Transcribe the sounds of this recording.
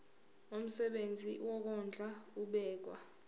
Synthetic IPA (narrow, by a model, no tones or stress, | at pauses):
om̩sɛɓend͡zʱiwɔk̬ɔnd͡ɮʱauɓɛːk̬wa